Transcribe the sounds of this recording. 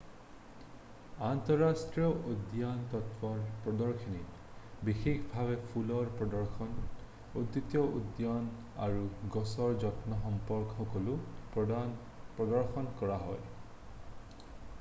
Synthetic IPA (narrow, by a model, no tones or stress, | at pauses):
ant̪ɔɾasʈɾijɔʔud̪jant̪ɔt̪pɔɹpɹɔd̪ɔɹkʰinit̪ | bixikʰbʱabepʰulɔɹpɔd̪ɔɹxʰɔn | ud̪it̪jɔʔud̪jan | a̰ɹuɡɔsɔɹd͡ʒɔt̪nɔɦɔmpɔɾkɔɦɔkɔlupn | pɹɔd̪ɔɹxɔnkɔɹaɦɔj